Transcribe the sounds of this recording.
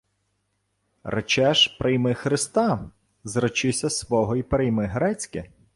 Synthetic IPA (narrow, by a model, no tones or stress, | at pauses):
rɐ̰t͡ʃɛʒpɾʔɪjmɪxɾɪst̪ɑ | zrɔt͡ʃɪsʲɐsʋɔɦɔipɾɪjmɪɦɾɛt͡sʲkɪ